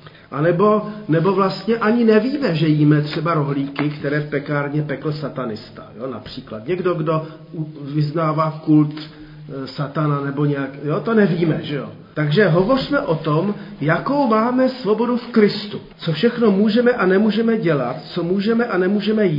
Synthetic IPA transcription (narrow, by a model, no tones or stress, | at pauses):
ʔanɛbo̞nɛbo̞vlast̪ɲɛʔaɲɪnɛviːmɛʒɛjiːmɛt̪r̝̥ɛbaɾo̞ɦliːkɪkt̪ɛɾɛːfpɛkaːɾɲɛpɛkl̩sat̪anɪst̪ḁ̰jona̰pr̝̥iːklat̪ɲɛɡdo̞ɡdo̞ | uvɪznaːvaːkult̪ | sat̪ananɛbo̞ɲɛjakjot̪o̞nɛviːmɛʒɛjo | t̪aɡʒɛɦo̞vo̞rmɛʔo̞t̪omjako̞wmaːmɛsvo̞bo̞dufkɾɪst̪u | t͡so̞fʃɛxno̞muːʒɛmɛʔanɛmuːʒɛmɛɟɛlat̪t͡so̞muːʒɛmɛʔanɛmuːʒɛmɛjiː